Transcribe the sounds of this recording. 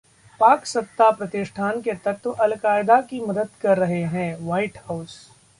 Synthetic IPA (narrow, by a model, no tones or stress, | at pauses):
paːksɐp̚t̪apɾɐt̪ɪʃʈʰaːnket̪ɐt̪ʋʔɐlkaːɪd̪akimɐd̪əd̪kɐɾːɐɦeɦɛ̃ːʋaːɪʈhaʊs